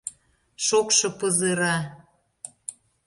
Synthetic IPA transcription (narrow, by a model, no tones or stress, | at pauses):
ʃokʃɤ̆pɤzɤɾɑ